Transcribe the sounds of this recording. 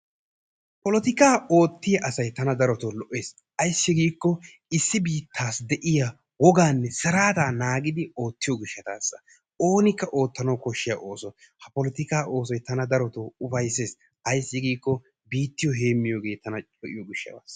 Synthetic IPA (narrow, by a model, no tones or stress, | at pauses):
pɔlɔt̪ɪkaːo̞ːt̪ːɪjɐʔɐsɐjt̪ɐnɐd̪ɐɾɔt̪ɔlɔʔe̞ːs | ʔɐjsːɪɡiːkːɔ | ɪsːɪbiːt̪ʰːaːsd̪ɛʔɪja | wɔɡaːnːɛsɐɾaːt̪aːnaːɡɪd̪ɪo̞ːt̪ːɪjɔɡɪʃːɐt̪a̰ːsːɐ̥ | o̞ːnɪkːɐʔo̞ːt̪ːɐnɐwkɔʃːɪjɐʔo̞ːsɔ | hɐpɔlɔt̪ɪkaːʔo̞ːs̬ɔjt̪ɐnɐd̪ɐɾɔt̪oʊfɐjse̞ːs | ɐjsːɪɡiːkːɔ | biːt̪ːɪjɔɦe̞ːmːɪjoːɡe̞ːt̪ɐnɐt͡ʃʼɔʔɪ̰jɔɡɪʃːɐ̰t̪a̰ːs